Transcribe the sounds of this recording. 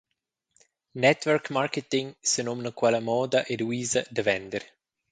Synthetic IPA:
nɛt̪wɛɾkmaɾket̪iŋsənomnəkwalamɔːd̪aʔeluiːzəd̪əvɛnd̪əɾ

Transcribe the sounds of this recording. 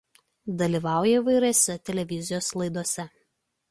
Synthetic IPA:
d̪ɐlʲiːˑʋɑˑʊjɛiʋɐɪɾɛsʲɛt̪ʲɛlʲɛʋʲɪzʲɪjoːslˠɐɪd̪oɔsʲɛ

